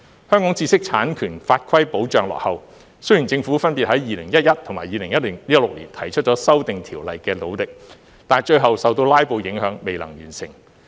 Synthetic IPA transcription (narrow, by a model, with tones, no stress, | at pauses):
hœː˥ŋkɔː˨˥ŋt͡siː˧sɪ˥k̚t͡sʰaː˨˥nkʰyː˨˩nfaː˧t̚kʰɐ˥jpo˨˥wt͡ʃœː˨˧ŋlɔ̰ː˨k̚hɐ˨w | sɵ˥jyː˨˩nt͡sɪ˧ŋfuː˨˥fɐ˥npiː˨t̚hɐ˨˥jjiː˨˧lɪ˨˩ŋjɐ˥t̚jɐ˥t̚t̪ʰʊ˨˩maː˨˩jiː˨lɪ˨˩ŋjɐ˥t̚lɪ˨˩ŋjɐ˥t̚lʊ˨k̚lḭː˨˩nt̪ʰɐ˨˩jt͡ʃʰɵ˥t͡ʃɔ˨˥sɐ˥wt̪ɪ˨ŋt̪ʰiː˨˩wlɐ˨jkɛː˧lo˨˥wlɪ˨k̚ | t̪aː˨˩nt͡ʃɵ˧ɦɐ˨wsɐ˨wt̪o˧wlaː˥jpo˧wjɪ˨˥ŋhœː˨˥ŋme˨jlɐ̰˨˩ŋjyː˨˩nsɪ̰˨˩ŋ